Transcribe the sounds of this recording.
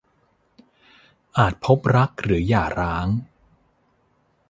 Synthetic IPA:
ʔaː˨˩t̪̚pʰo˦˥p̚ɾa˦˥k̚ɾɯː˩˦jaː˨˩ɾaː˦˥ŋ

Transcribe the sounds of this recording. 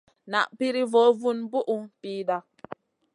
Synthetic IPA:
na̰˨ʔpi˦ɾi˦vo˨˦vu˦nbu˦ʔu˨piː˦da˦

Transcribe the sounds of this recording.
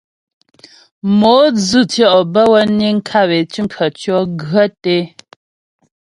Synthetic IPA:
mo˨˦d͡zɨ˦˨tjɔ˦ʔbə˦wə˦ni˦ŋ̩˦kʰa˦βe˨t͡ʃi˦m˦pʰə˨t͡ʃjɔ˦ɡɰə˦te˦

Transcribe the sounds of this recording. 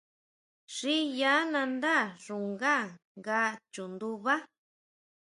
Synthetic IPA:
ʂi˦ja˨˦nã˧nd̪a˦˨ʐu˨ŋɡa˦ | ŋɡa˦t͡ʃu˨nd̪u˧βa˦

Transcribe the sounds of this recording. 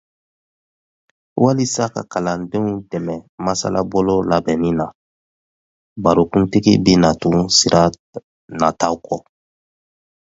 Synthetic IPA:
wa˦li˦sa˦ka̰˨ka˨lã˨dẽ˦ũ˦tɛ˨mɛ˨masa̰˦la˦bɔlo˦la˨bɛ˨nĩ˦na˨ | ba˨ɾo˨kũ˦ntiɡḭ˦be˦na˨tũ˨si˨ɾʔa˦ | na˨ta˦ukɔ

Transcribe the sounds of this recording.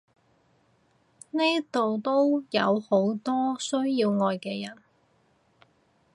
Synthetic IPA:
neː˥t̪o˨wt̪o˥wjɐ˨˧who˨˥wt̪ɔː˥sɵ˥ɥjiː˧wŋɔː˧jkɛː˧jɐ˨˩n

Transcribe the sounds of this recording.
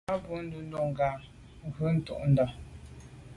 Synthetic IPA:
a˦bu˦n̩˦du˦n̩˦do˦˨ŋ˨ɡa˨ | ŋ̩˨ɡʉ˦n̩˦tṵ˦˨ʔn̩˦dɔ˨

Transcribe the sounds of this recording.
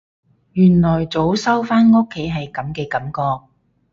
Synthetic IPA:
jyː˨˩nlɔː˨˩jt͡so˨˥wsɐ˥wfaː˥nŋo˥kʰːe˨˥jɦɐ˨jkɐ˨˥mkɛː˧kɐ˨˥mkɔː˧k̚

